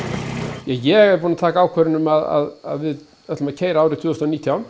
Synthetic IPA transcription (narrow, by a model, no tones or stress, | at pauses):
jɛjɛɣɛɾpunat̪ʰaːkaaːwkʰvɛɾɪnʏmaða̰ða̰ðvɪð | œt̪lʏmaðcʰeːjɾaaːwɾɪt̪ʰʏːðʏst̪ɔniːt̪ʰjaw̪